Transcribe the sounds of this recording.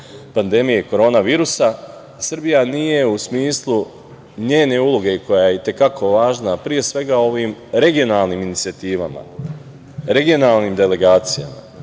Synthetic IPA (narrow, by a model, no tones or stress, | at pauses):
pand̪e̞mijeko̞ɾo̞ːnaʋiːɾusa | srbijanije̞usmiːslˠu | ɲe̞ːne̞ulˠoɡe̞ko̞jajeit̪e̞kakʰo̞ʋaːʒnapɾije̞sʋe̞ɡao̞ʋiːmɾe̞ɡio̞nalˠniminit̪sijat̪iːʋama̰ | ɾe̞ɡio̞nalˠnimd̪e̞le̞ɡaːt̪sija̰ma̰